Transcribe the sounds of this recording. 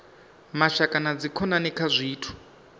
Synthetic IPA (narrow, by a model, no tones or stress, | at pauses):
maʃakʼanad͡zikʰɔnanɛkʰazʷiːtʰu̥